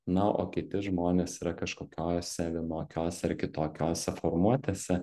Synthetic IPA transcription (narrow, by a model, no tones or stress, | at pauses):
nɐʔo̰ːkʲɪt̪ʲɪʒmoːnʲeːsiːɾɐkɐʃkoːkʲoːjɔsʲɛʋʲɪmoːkʲoːsʲɛɪɾkʲɪt̪oːkʲoːsʲɛfoːɾmuɔt̪ʲesʲɛ